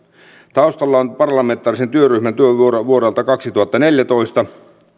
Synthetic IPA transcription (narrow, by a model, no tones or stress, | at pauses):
t̪ɑust̪ɑlːɑonpɑrlɑme̞nt̪ːˑɑːrisent̪yøryhmænt̪yøʋuorɑʋuoɾɑlt̪ɑkɑksit̪uhɑt̪ːɑneljæt̪o̞ist̪ɑ